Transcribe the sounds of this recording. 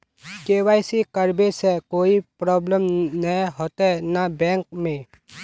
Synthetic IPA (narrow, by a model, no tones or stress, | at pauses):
keːwaːɪsikəɾbesɛkoːipɾɔːbləmnəɦoːt̪eɦɛnabɛ̃ːŋk̚mẽ